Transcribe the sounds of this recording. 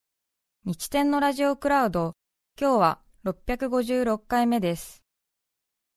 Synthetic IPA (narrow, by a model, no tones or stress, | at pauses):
ɲ̟it͡ɕi̥t̪ẽ̞nːo̞ɾaʑio̞kɯ̟ɾaɯ̟d̪o̞ | kʲo̞ːβ̞a̰ | ɾo̞pʲːjakɯ̟ɡo̞ʑɨːɾo̞kːaime̞d̪e̞sɨ̥